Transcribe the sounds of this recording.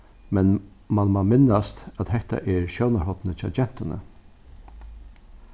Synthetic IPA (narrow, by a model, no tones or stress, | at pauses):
mɛn | manmamɪnːast̪æt̪hɛht̪a̰ʔɛɹʃjɔwnaɾhɔt̪nət͡ʃʰɑ̰d͡ʒɛn̥t̪ɪnə̰